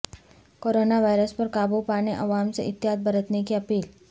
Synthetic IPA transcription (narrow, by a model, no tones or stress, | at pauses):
koɾonaʋajɾəspəɾkabupaɽ̃eʔəʋamt͡səʔit̪jɦad̪̚bəɾət̪nekiːəpiːl